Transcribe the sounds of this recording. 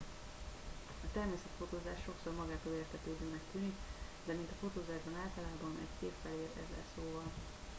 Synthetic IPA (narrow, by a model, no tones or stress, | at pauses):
ɒt̪ɛrmeːsɛt̪fo̞t̪oːzaːʃʃo̞kso̞rmɒɡaːt̪oleːrt̪ʰɛt̪øːb̪øːmɛkt̪yːnik | d̪ɛmint̪ɒfo̞t̪oːzaːʒbɒnaːlt̪ɒlaːbɒnɛ̰ɟseːpfɛleːɾɛ̰zɛ̰soːvɒl